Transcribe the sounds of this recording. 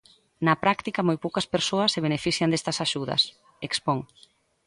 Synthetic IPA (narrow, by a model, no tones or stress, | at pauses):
nɐpɾakt̪ikɐmojpowkɐspeɾsoɐsːeβ̞enefiθjɐnd̪est̪ɐsaʃuðɐ̰s | ekspoŋ